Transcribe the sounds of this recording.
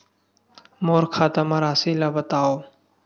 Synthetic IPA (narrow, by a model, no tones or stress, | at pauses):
moːɾkʰaːt̪əmaːɾaːsiːlaːbət̪aːoː